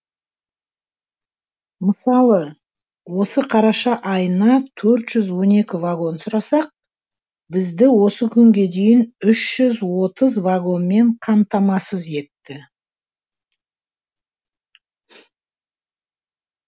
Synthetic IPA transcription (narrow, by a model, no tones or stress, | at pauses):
məsɑlˠə | wo̞səqʰɑɾɑʃɑʔɑjənɑt̪ʰɵɾt̪ʒ̥ʏzwo̞ne̞kʲɪvaɡo̞nsʊɾɑsɑq̚ | bɪzd̪ɪwo̞səkʲʰʏŋɡʲe̞d̪e̞jɪnʏʃʒ̥ʏzwo̞t̪əzvaɡo̞nme̞ɴqʰɑmt̪ɑmɑsəze̞t̪ːɪ